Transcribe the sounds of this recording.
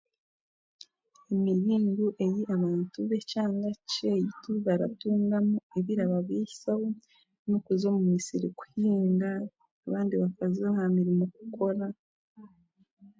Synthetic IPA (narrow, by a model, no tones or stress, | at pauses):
emiɾiːŋɡuʔe̞jiʔaβaːntuβe̞caːŋɡacejituβaɾa̰tuːŋɡamueβiɾaβaβwei̥saho | nokuzo̞mumisiɾḭku̥hiːŋɡaː | βaːndiβakazehamiɾimokukʰo̞ɾa